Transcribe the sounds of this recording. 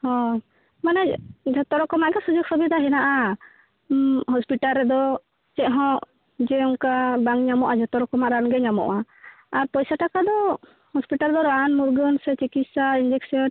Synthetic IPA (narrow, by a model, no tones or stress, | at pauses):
hɔ̃ | manɛd͡ʒʱɔt̪ɔɾɔkɔmaʔɡɛsud͡ʒɔk̚sɔbid̪aɦɛnaʔa | ɦɔspiʈalːɛd̪ɔ | t͡ʃɛʔɦɔ̃ʔ | d͡ʒɛɔŋkabaŋɲamɔʔad͡ʒʱɔt̪ɔɾɔkɔmaʔɾanɡɛɲamɔ̰ʔa | aɾpɔjsaʈakad̪ɔ | hɔspiʈald̪ɔɾanmuɾɡɔnsɛt͡ʃikit̪̚saind͡ʒɛksɔ